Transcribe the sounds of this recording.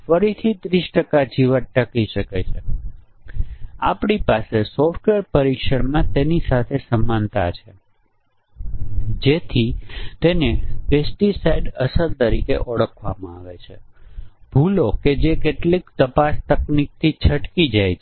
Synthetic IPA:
fəɾit̪ʰit̪ɾisʈəkad͡ʒiʋəʈəkiʃəket͡ʃʰe | a̰pɳipasesɔfʈʋeəɾpəɾikʃəɽmãt̪enisat̪ʰesəmːant̪at͡ʃʰe | d͡ʒet̪ʰit̪enepesʈisajɖəsəɾt̪əɾḭkḛʔəɽəkʰʋa̰mãaʋet͡ʃʰḛ | b̥ʱuloked͡ʒekeʈlikt̪əpast̪əknik̚t̪ʰit͡ʃʰəʈkid͡ʒajt͡ʃʰe

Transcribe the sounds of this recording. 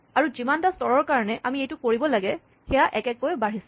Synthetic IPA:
aɹuzimantastɔɹɔɹkaɹɔnɛʔamiejtʊkoɹibɔlaɡɛ | xɛjaʔɛkɛkojbaɹisɛ

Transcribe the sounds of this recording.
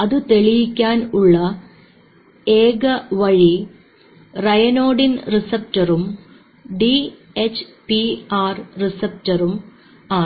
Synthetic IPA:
ɐðɨt̪e̞ɭijikʲːaːnuɭːɐ | eːɡɐʋɐɻi | rɐjɐnoːɖinrisɐp̚tɐrum | ɖi | et͡ɕpiaːrrisɐp̚tɐrum | aː

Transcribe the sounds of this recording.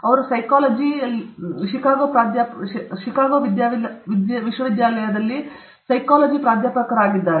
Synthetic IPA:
ɐʋɐɾusɐjkaːlɐd͡ʒiɐlːiʃikaːɡoːpɾaːd̪jaːpʃikaːɡoːʋid̪jaːʋlʋid̪ʋiʃʋɐʋid̪jaːlɐjɐd̪ɐlːi | sɐjkaːlɐd͡ʒipɾaːd̪ʱjaːpɐkɐɾaːɡid̪ːaːɾe

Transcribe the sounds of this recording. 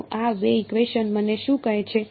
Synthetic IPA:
ʔaʋeiɡʋeʃənməneʃũkəɦet͡ʃʰe

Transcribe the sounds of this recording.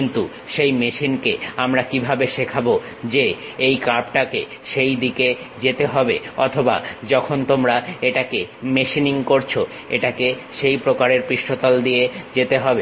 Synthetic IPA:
int̪u | ʃejmeʃinkeamɾakibʱabeʃekʰabo | d͡ʑeejkaɾp̚ʈakḛ | ʃejd̪ike | d͡ʑet̪eɦɔbeɔ̰t̪ʰoba̰d͡ʑɔkʰont̪omɾaeʈakemeʃiniŋkoɾt͡ɕʰo | ḛʈakeʃejpɾokaɾeɾpɾiʃʈot̪ɔld̪ijed͡ʑet̪eɦɔbe

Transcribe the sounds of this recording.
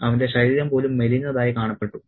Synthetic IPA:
ɐʋɐnde̞ɕɐɾiːɾjɐmpo̞ːlumːelinːɐðaːjikaːɳɐpːe̞ʈːu

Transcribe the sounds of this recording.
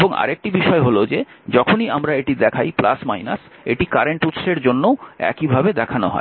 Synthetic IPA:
boŋa̰ɾek̚ʈibiʃɔeɦolod͡ʑe | d͡ʑɔkʰoniamɾaeʈid̪ɛkʰajpla̰smajna̰s | eʈikaɾeɳʈut̪ʃeɾd͡ʑonːowɛ̰kibʱabed̪ɛkʰanoɦɔ̰e

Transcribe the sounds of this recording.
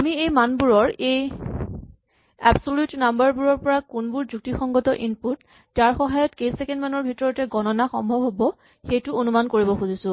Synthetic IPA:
amiejmanbuɹɔɹej | a̰bsoljutnambaɹbuɹɔɹpɔɹakunbuɹzuk̚tixɔŋɡɔtɔʔinput | d͡ʒaɹxɔɦajɔtkejsɛkɛndmanɔɹbʱitɔɹɔtɛɡɔnɔnaxɔ̰mbʱɔbʱɦobɔ | xejtʊonumankoɹibɔxuzisʊ̃

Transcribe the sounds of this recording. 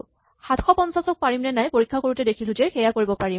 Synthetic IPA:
xatʰxɔpɔnsasɔk̚paɹimnɛnajpoɹikʰːakoɹutɛdekʰilʊzɛxɛjakoɹibɔpaɹi

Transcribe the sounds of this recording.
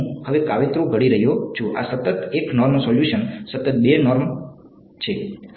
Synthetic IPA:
həʋekaʋet̪ɾũɡʱəɽiɾəɦjot͡ʃʰuʔa̰sət̪ət̪eknɔɾmsɔljuʃənsət̪ət̪̚benɔɾm | t͡ʃʰe

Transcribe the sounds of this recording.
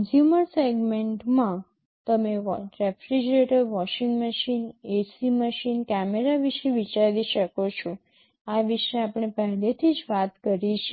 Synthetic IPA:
nzjuməɾseɡmeɳʈmã | t̪əmeɾefɾid͡ʒɾeʈəɾʋɔʃĩŋɡməʃinesiməʃinkæmeɾaʋiʃeʋit͡ʃaɾiʃəkot͡ʃʰo | aʋiʃeapɳ̃ebaɦnet̪ʰid͡ʒʋat̪kəɾiʃʰe

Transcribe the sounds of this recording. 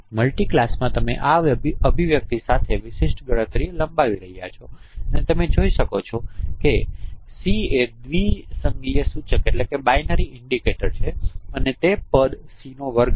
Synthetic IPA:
məlʈiklasmãt̪əmḛʔaʋəbʱiʋjək̚t̪isat̪ʰeʋɪʃɪʃʈɡəɽ̃ət̪ɾieləmbaʋiɾəɦija̰t͡ʃʰoənet̪əmed͡ʒoiʃəkot͡ʃʰɔkesied̪ʋisəŋɡlijesũt͡ʃʰekeʈlekebajnəɾiɪɳɖikeʈəɾt͡ʃʰeənet̪epəd̪sinoʋəɾɡ

